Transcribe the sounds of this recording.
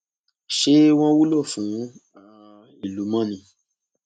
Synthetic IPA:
ʃe˦w̃ɔ̃˦wu˦lo˦˨fũ˨˦ | a˨˦ | i˨lu˨˦mã˦nĩ˧˦

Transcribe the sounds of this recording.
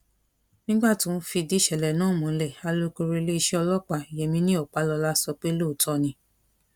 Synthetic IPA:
nĩ˦ɡ͡ba˦˨tũ˨˦fi˧di˦ʃɛ˨lɛ˨nãː˦˨mũ˨n̩˦˧lɛ˦˨a˧lo˦ko˧ɾe˧le˦i˧ʃɛ˦ɔ˧lɔ˦k͡pa˧i˨je˨mĩ˧˦nĩ˦ɔ˦˨k͡pa˨˦lɔ˧la˦sɔ˧k͡pe˦lo˦˨tʰɔ˦nĩ˧˦

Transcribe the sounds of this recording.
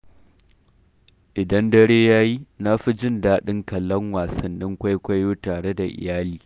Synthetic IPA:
ʔɪ˨dɐ˦ndɐ˦ɽeː˦jaː˦ji˦na˦ɸi˦d͡ʒɪ˦ndaː˦ɗɪ˦ŋkɐ˨lːɐ˦ŋwaː˨sɐ˨nːɪ˦ŋkʷa˦jkʷa˦joː˦taː˨ɽe˦da˨ʔɪ̰˨jaː˦liː˨

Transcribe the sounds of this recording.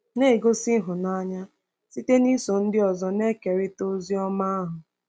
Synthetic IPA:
ne˦˨ɡo˦sɪ˦ɦʊ˨na˦ɲa˦ | si˦te˦ni˦so˨n̩˦dɪ˦ɔ˨zɔ˦ne˦ke˨ɾɪ˦to˦zi˦ɔ˦ma˦a˦ɦʊ˨

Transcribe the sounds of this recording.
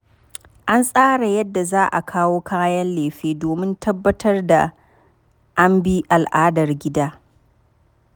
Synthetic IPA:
ʔa˦nsʼaː˦ɽa˨jɐ˦dːa˨zaː˦ʔa̰˨kʰaː˦woː˦kʰaː˦jɐ˦nleː˨ɸeː˦doː˨mɪ˦ntʰɐ˦bːɐ˦tʰɐ˦rda˨ | ʔa˦mbi˦ʔa˨lʔaː˦dɐ˨rɡʲɪ˦daː˦

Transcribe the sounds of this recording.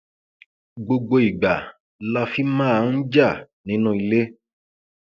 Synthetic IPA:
ɡ͡bo˧ɡ͡bo˧i˨ɡ͡ba˨ | la˧fi˦mãː˦a˧˦n̩˦d͡ʒa˦˨ | nĩ˨˦nũ˦i˧le˦

